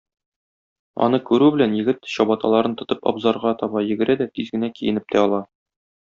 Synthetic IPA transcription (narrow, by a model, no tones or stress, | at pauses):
ɒ̰n̪ɤkʉɾʉbɘ̆lænjɘ̆ɡɘt̪ɕɒbɑt̪ɑlˠɑɾɤnt̪ŏt̪ɤpɒ̰bzɑɾʁɑt̪ɒbɑjɘ̆ɡɘ̆ɾæd̪æt̪izɡɘ̆nækijɘ̆nɘp̚t̪æɒlˠɑ